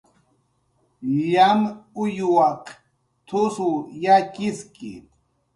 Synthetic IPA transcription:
ʎamujuaq | t̪ʰusujakiskḭ

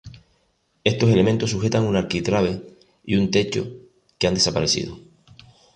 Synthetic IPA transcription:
e̞st̪o̞se̞le̞mẽ̞nt̪osːuxe̞t̪aŋunaɾkit̪ɾaβe̞ | ḭunt̪e̞t͡ʃo̞̰ | keand̪e̞sapaɾe̞sḭð̞o

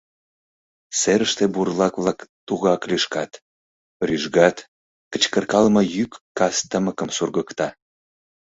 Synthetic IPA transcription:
seɾəʃt̪eburlɑkβlɑkt̪uɣɑkliʃkɑt̪ | ryʒɣɑt̪ | kət͡ɕkərkɑlmɤjykːɑst̪əməkəmsurɣəkt̪ɑ

